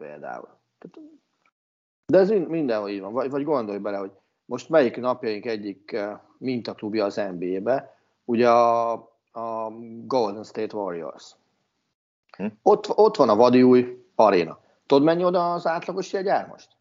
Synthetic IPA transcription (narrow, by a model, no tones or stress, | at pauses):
pḛːld̪a̰ːṵl | t̪at̪ | d̪ɛɛzinmind̪ɛnɦoliːɟvɒɱvɒɟvɒɟɡo̞nd̪o̞jbɛlɛɦo̞ɟ | mo̞ʃt̪mɛjiknɒpjɒjiŋkɛɟːik | mint̪ɒklubjɒːzɛmbiːeːbɛ | uɟɛɒ | ɒɡold̪ɛnst̪eːt̪ʋoɾio̰rs | ot̪ːʔo̞t̪ːʋɒnɒvɒd̪iuːj | ɒɾeːnɒ̰ | t̪o̞d̪mɛɲːio̞d̪ɒːzaːt̪lɒɡo̞ʃjɛɟaːrmo̰ʃt̪